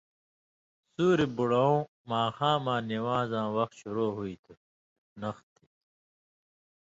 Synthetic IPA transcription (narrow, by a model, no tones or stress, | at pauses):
suːɾibuɽɐõː | maːxãːmãːniwaːzãːwʌxt̪ɕuɾoːɦuit̪ʰu | nʌxt̪ʰi̥